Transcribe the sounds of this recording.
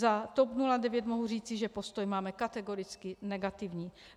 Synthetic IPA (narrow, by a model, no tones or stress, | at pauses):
zat̪opnuladɛvjɛt̪mo̞ɦur̝iːt͡sɪʒɛpo̞st̪ojmaːmɛkat̪ɛɡoɾɪt͡skɪnɛɡat̪ɪvɲiː